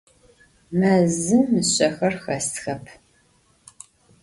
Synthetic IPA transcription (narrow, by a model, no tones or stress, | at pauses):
mɐzɨmːɨɕʼɐxɐrxɐstxɐpʰ